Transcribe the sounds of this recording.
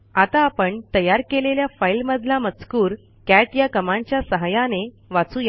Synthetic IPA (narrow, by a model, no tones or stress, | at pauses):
at̪aːpəɳt̪əjaɾkeleljafailməd̪ʱlamət͡skuːɾ | kæʈjakəmãɲt͡ɕjasəɦajane | ʋat͡suja